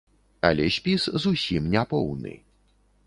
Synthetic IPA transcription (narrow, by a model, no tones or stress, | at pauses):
alʲɛɕʲpʲiszusʲimnʲapɔwnɨ̰